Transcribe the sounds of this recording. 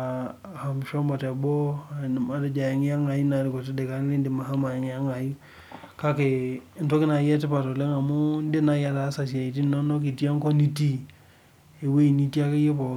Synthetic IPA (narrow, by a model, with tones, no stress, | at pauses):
a˨ | ha˨m˨ʃɔ˦mba˨tɛ˨bɔ˦a˨nɪ˨ma˦dɪ˦d͡ʒa˨jɛ˨ŋ˦ja˦ŋa˨ji˦na˨ɾɪ˨kɔ˨ti˦de˨ka˦n˦li˦ndi˨ma˨ɦa˦ma˨jɛ˨ŋ˦ja˦ŋa˨i˦ | ka˦ke˨n˨to˦kɪ˦na˨jɛ˦tɪ˦pa˨to˨le˦ŋa˨mu˦n˦de˦na˨ja˦ta˨˦sa˨s̬i˨a˨i˨ti˦no˦nɔ˦k̬i˨ti˦a˦ŋ˦kɔ˦ni˦ti˦ | e˨we˦i˨ni˦ti˦a˦kɪ˦je˦pɔ˨